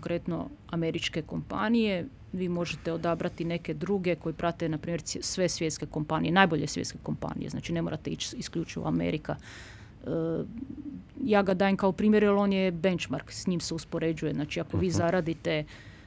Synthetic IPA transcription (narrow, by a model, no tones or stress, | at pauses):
koŋkɾe̞t̪no̞̰ame̞ɾit͡ʃke̞ko̞mpa̰nije | ʋiːmo̞ʒet̪e̞o̞d̪abɾat̪ine̞ke̞d̪ɾuɡe̞ko̞jipɾʔat̪e̞napɾiːmʲjeɾsʋe̞sʋjet̪ske̞ko̞mpanijenaːjbo̞ʎesʋjet̪skeko̞mpa̰ːnijezna̰ːt͡ʃine̞moːɾat̪eit͡ʃiskʎut͡ʃiʋo̰amḛɾika | jaːɡad̪aːjemkaopɾiːmjeɾalo̞njebe̞nt͡ʃmaɾksɲiːmseuspo̞ɾed͡ʒujeznaːt͡ʃiakoʋiːzaɾaːd̪it̪e